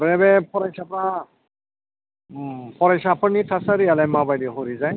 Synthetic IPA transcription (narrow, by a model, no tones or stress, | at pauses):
bɛbɛpʰɔɾajsapɾa | pʰɔɾajsapʰɔnitʰasaɾialɛjmabajdiɦoɾizaj